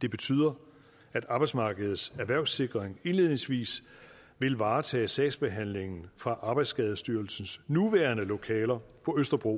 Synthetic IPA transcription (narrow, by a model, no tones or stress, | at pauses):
d̥e̝b̥e̝t͡sʰy̰ːð̰ˠɐ | æd̥ɑ̈b̥ɑ̈ɪ̥smɑ̈ːɡ̥əð̩ˠsæɐʋæɐ̰ʊse̝ɡ̥ʁeŋe̝nle̝ð̞̰ˠne̝ŋsʋḭːs | ʋe̝lʋɑ̈ːt͡sʰɛ̰ːsɛ̰ːsb̥e̝ɦæn̰le̝ŋn̩fʁɑ̈ʔɑ̈ːb̥ɑ̈ɪd̥sɡ̥ɛð̞ˠsd̥yːɐlsn̩snuʋæːɐnəlo̝kʰɛːlɐpʰɒ̽øsd̥ɐb̥ʁo̝̰